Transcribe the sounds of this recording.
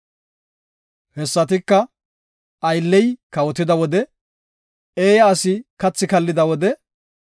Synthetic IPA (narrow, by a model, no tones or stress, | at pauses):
hɛsːɐt̪ɪkːɐ | ɐjlːɛjkɐwɔt̪ɪd̪ɐwɔd̪ɛ | eːjɐːsɪkɐt͡sːɪkɐlːɪd̪ɐwɔd̪ɛ